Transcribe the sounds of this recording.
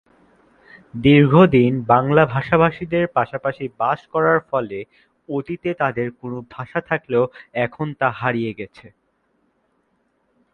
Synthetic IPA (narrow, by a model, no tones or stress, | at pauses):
d̪iɾɡʱod̪inbaŋlabʱaʃabʱaʃid̪eɾpaʃapaʃibaʃkɔɾaɾfɔle | ot̪it̪et̪ad̪eɾkonobʱaʃat̪ʰakleoɛkʰont̪aɦaɾijeɡɛt͡ɕʰe